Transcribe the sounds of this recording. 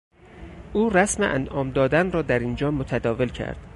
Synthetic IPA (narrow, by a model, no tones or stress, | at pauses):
ʔuːræsmeʔæ̰nʔɒːmd̪ɒːd̪ænrɒːd̪æɾind͡ʒɒːmot̪ʰæd̪ɒːvelcʰæ̰ɾd̪̥